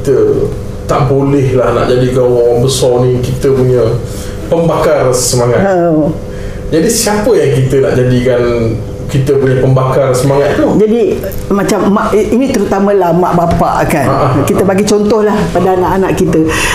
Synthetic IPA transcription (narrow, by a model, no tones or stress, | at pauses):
it̪ə | t̪aʔbolɛhlahna̰ʔd͡ʒadiɡawɔbəsɔnĩkit̪əpuɲə | pəmbakarsəmaŋaə | d͡ʒadisiapəjaŋkit̪əna̰ʔd͡ʒadikan | kit̪əpuɲəpəmbakarsəmaŋat̪ːd͡ʒadi | mãt͡ʃamːaʔinĩt̪əɾut̪amə̃lamaʔbapa̰ʔkanaʔkit̪əbaɡit͡ʃɔnt̪ɔhlahpadaanãʔanaʔkit̪ə